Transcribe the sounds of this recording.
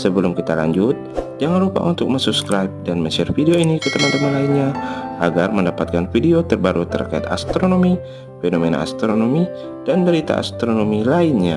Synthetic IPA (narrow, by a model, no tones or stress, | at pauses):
səbəlumkit̪ala̰ɲd͡ʒut̪̚d͡ʒaŋanrupa̰ʔṵnt̪ʊk̚məɲsubskɾaip̚danməɲsɛrfidioinikət̪əmant̪əmanlainɲaʔaɡarməndapat̪̚kanfidiot̪ərbaɾut̪ə̰rkaḭt̪a̰st̪ɾonomi | fenomena̰a̰st̪ɾonomi | d̥anbəɾit̪a̰a̰st̪ɾonomilainɲa